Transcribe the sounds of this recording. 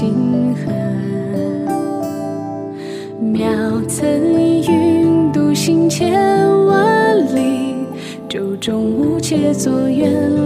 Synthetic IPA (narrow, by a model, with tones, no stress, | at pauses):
i˧ŋxə˧˩ | mjɑ˨˧ʊt͡sʰə˧˥njy˥˧t̪u˧ɕi˥ŋt͡ɕʰɛ˥wa˧˥li˧ | ʈ͡ʂo˨ʊʈ͡ʂʊ˥ŋu˧˥t͡ɕʰɛ˥t͡sɔ˩jɛ˧˥